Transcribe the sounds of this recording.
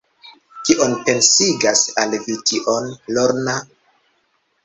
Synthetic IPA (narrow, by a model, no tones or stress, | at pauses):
kiʔonpe̞nsiɡasalvitʰiʔonloɾna